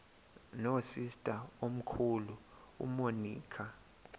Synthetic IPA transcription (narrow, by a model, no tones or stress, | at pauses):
nosistʼaom̩kʰulu | ṵmoniːkʰa